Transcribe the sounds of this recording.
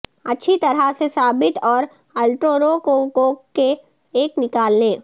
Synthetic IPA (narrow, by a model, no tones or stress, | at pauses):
ɐtːʃʰit̪ɐɾɦasesaːbɪt̪ɔːɾ | ɐlʈɾoːɾokokoke | eːknɪkaːlːẽː